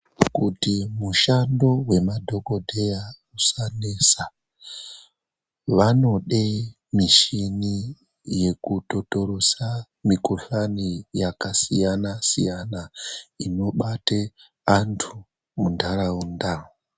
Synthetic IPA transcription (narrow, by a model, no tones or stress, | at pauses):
kutimuʃando̞we̞madʱo̞ko̞dʱe̞ja | usanesa | ʋano̞ɗe | miʃini | je̞kuto̞to̞ɾosa | mikuɬanijakasijanasijanaino̞ɓate | antʰu | mundʰʱaɾaundaŋu